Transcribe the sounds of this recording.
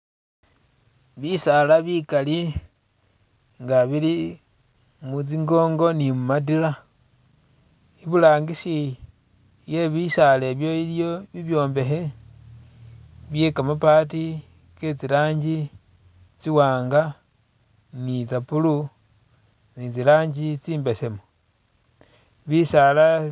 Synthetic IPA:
βisalaβikali | ŋɡaβili | mut͡siŋɡo̞ːŋɡo̞nimumat̬ila | iβulaːŋɡiʃi | jeβiʃale̞βjo̞iljo̞βiβjo̞ːmbe̞xe | βjekamapati | ket͡silaːɲɟi | t͡siwaːŋɡa | nit͡sapulu | nit͡silaːɲd͡ʒit͡siːmbe̞semo | βisala

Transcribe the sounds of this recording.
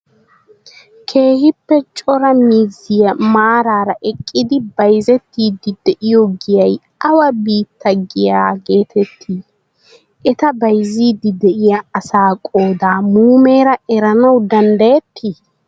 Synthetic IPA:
kʰe̞ːhɪpːɛt͡ʃʼɔɾɐmiːzɪjɐmaːɾaːɾɐʔɛkʼːɪd̪ɪbɐjzɛt̪ːiːd̪ɪd̪ɛʔɪjɔɡɪjɐj | ɐwɐbiːt̪ːɐɡɪjaːɡe̞ːt̪ʰɛt̪ʰːiː | ʔɛt̪ɐbɐjziːd̪ɪd̪ɛʔɪjɐɐsaːkʼo̞ːd̪aːmuːme̞ːɾɐɛɾɐnɐwd̪ɐnd̪ɐjɛt̪ʰːi

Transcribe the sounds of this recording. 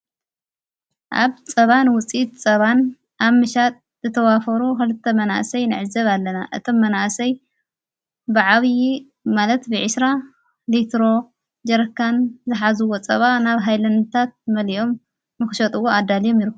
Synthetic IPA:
ʔa̰βt͡sʼɐβanwʊt͡sʼit̪ʼt͡sʼɐβan | ʔaβmɨʃat̪ʼ | zɨt̪ʰɐwafɐɾukɨlɨt̪ʰːɐmɐna̰ʔsɐjnɨʕɨzɐβalːɐna̰ʔɨt̪ʰo̞mːɐnaʔsɐj | bɨʕaβji | malɐt̪bɨʕɨsɾa | lit̪ʰɾo̞ | d͡ʒɐɾɐkʰːanzɨħazɨwot͡sʼɐβanaβɦajlɐnt̪ʰat̪̚mɐliʔo̞m | nɨxɨʃɐt̪ʼɨwoad̪ːalijo̞mjɪɾɨkː

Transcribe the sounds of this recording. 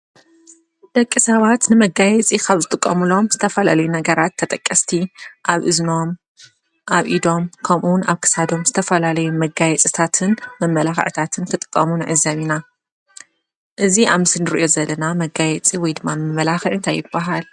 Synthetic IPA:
d̪̥ɐkʼːisɐβat̪nɨmɐɡajɛt͡sʼikʰaβzɨt̪ʼɨkʼːɐmɨlo̞mzɨt̪ʰɐfɐlalɐjunɐɡɐɾat̪ʰːɐt̪ʼɐkʼːɐst̪ʰiʔaβʔɨzno̞m | ʔaβʔid̪o̞mkʰɐmʔuwna̰βkʰɨ̥sad̪o̞mzɨt̪ʰɐfɐlalɐjumɐɡajɛt͡sʼɨt̪ʰat̪ʰɨnmɐmːɐlaxɨ̰ʕt̪ʰat̪ʰɨnkʰɨt̪ʼɨ̥kʼːɐmunʕɨzːɐβina | ʔɨziʔamɨsɨnɨɾḭʔo̞zɐlːɐnamɐɡajɛt͡sʼiwɔjd̪ɨmːanmɐmːɐlaxɨʕɨnt̪ʰajːɪbːaɦal

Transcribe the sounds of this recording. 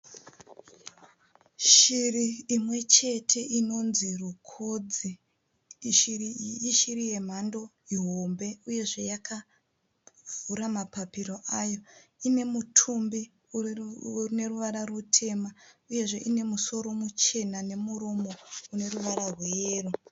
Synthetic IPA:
ʃiriːmwe̞t͡ʃe̞tʰe̞ʔino̞nzirukʰoːd͡zi | ʃiriiʃiɾije̞m̤ando̞ | iɦo̞mbe̞uje̞ʐe̞jakʰa | vuɾamapapiɾo̞ʔajo̞ine̞mutʰumbi | rine̞ruʋaɾarutʰe̞mauje̞ʐe̞ʔine̞muso̞ɾo̞mut͡ʃe̞nane̞muɾomo̞une̞ruʋaɾarweeːru

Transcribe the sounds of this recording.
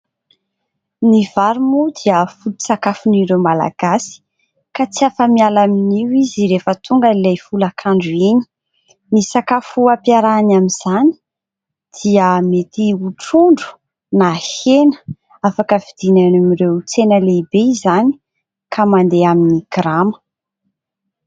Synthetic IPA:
niv̥aɾumud̪iəfulu̥sakafuniɾewmala̰ɡ̥asi̥ | kat͡siafəmialaminiwiziɾefət̪ʰuŋɡəilejfulakʰaɳɖ͡ʐuini̥ | nisakafuapjaɾanaminz̥ani̥ | d̪̥iəmet̪iuʈ͡ʂuɳɖ͡ʐu̥ | nahenə̥ | afakəvid̪̥inanamirewt͡senəleibeizani̥ | kʰamand̪eaminiɡ̥ɾamə̥

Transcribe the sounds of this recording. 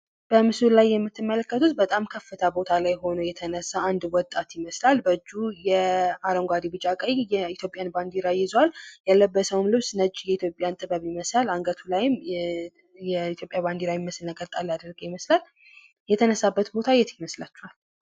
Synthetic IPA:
b̥əmɨsulajːɛmːɨt̪ʰːɨmːələkːət̪ʰut̪bət̪ʼamkʰəfːɨt̪ʰabo̞t̪ʰalajho̞nojɛt̪ʰənəsːaːnd̪wɔt̪ʼːat̪jɪməslalbəd͡ʒːujɛaɾəŋɡʷad̪ibɨt͡ʃʼakʼəjjɛit̪jo̞pʼjanband̪iɾajɪzwaljalːəbːəsəwumlɨβsnəd͡ʒːjɛit̪jo̞pʼjant̪ʼɨβəβɪməslalaŋɡət̪ʰulajɪm | jɛit̪ʰjopʼjaband̪iɾawiməsɨlnəkʼəlt̪ʼalad̪əɾɡəjɪməslal | jɛt̪ʰənəsːabːət̪bo̞t̪ʰajːɛt̪jɪməslat͡ʃːuhal

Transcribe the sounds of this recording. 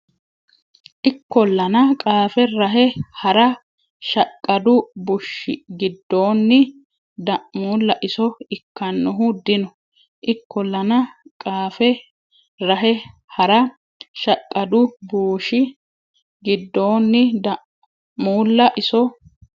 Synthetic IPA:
ʔɪkːɔlːɐnɐkʼaːfɛɾɐɦɛhɐɾɐ | ʃɐkʼːɐd̪ʊbʊʃɪɡɪd̪ːo̞ːnːɪ | d̪ɐʔmuːlːɐʔɪsɔɪkːɐnːʊɦʊd̪ɪnɔ | ʔɪkːɔlːɐnɐkʼaːfɛ | ɾɐɦɛhɐɾɐ | ʃɐkʼːɐd̪ʊbuːʃɪ | ɡɪd̪ːo̞ːnːɪd̪ɐʔ | muːlːɐʔɪsɔ

